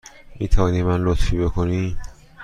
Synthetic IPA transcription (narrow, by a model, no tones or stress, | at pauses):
mit̪ʰanimanlot̪ʰfibekʰoni